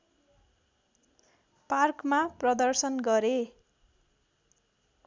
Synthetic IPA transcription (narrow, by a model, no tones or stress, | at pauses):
parkmaprʌd̪ʌrsʌnɡʌɾe